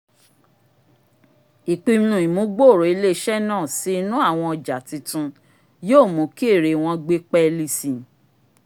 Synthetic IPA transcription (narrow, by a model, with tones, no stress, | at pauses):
i˨k͡pi˧m˦nũ˨i˨mũ˨˦ɡ͡bo˦˨ɾo˨i˧˦le˦ʃɛ˦nãː˦˨si˨˦nũ˦a˦˨w̃ɔ̃˧ɔ˨d͡ʒa˨ti˨˧tũ˧ | joː˦˨mũ˨˦ki˦e˦˨ɾe˨w̃ɔ̃˧ɡ͡be˦k͡pɛ˦li˧sĩ˨